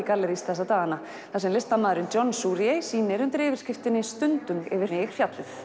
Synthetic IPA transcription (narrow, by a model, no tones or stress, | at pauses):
ikalːɛɾist̪θɛs̬at̪aːɣana | θasɛmlɪst̪amaːðɾʏnt͡ɕɔnsuɾjejsiːnɪɾʏmt̪ɾɪːvɪɾ̥scɪft̪ɪnːɪst̪ʏnt̪ʏŋkɛvɪ̥ɪɾ̥fjat̪lʏθ